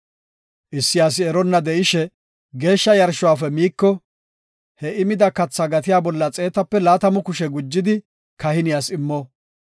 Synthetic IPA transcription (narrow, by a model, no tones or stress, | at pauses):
ʔɪsːɪjaːs̬ɪɛɾɔnːɐd̪ɛʔɪʃɛ | ɡe̞ːʃːɐjɐɾʃʊwaːfɛmiːkːɔ | hɛɪmɪd̪ɐkɐt͡sːaɡɐt̪ɪjaːbɔlːɐt͡sʼe̞ːt̪ɐpːɛlaːt̪ɐmʊkʊʃɛɡʊd͡ʒːɪd̪ɪ | kɐhɪnɪjaːsɪmːɔ